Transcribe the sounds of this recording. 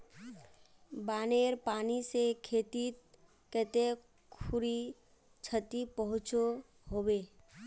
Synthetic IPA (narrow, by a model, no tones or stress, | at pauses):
baːneːɾpaːnisekʰeːt̪it̪ | kət̪e | kʰʊɾi | t͡ʃʰət̪ipəɦʊ̃t͡ʃo | ɦoːweː